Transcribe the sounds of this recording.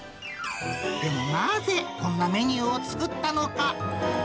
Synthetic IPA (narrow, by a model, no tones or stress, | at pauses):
d̪̥e̞mo̞naze̞kõ̞nːame̞ɲ̟ɯːot͡sɨ̥kɯ̟t̪ːano̞ka